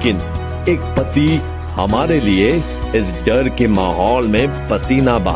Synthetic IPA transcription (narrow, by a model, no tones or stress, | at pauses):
kɪn | eːk̚pɐt̪ik | hɐ̰maːɾelie | ɪsɖɐɾkemaːɦɔːlmẽpɐt̪iːnaba̰